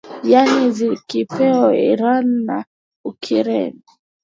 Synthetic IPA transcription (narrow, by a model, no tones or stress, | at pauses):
janizikipɛɔḭɾanːa̰ | ukʰiɾɛ̰ni